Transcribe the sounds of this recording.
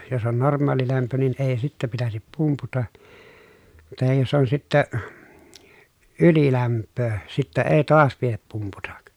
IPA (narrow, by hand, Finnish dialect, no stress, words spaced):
jos on normˑɑːlilæmpø nin eː sitːæ pitæsip pumputɑ tɑhij josˑ on sitːæ ylilæmpːøː sitːæ eː toɑs piep pumputɑk